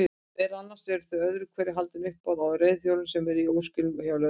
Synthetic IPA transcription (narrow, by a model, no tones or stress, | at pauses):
ɛɾanːasɛɾʏɾ̥θvœjœðɾʏkʰvɛɾɪɦalt̪ɪnʏhpaðawrejðθfjowlɪnsɛmɛɾiowscʏljawlœ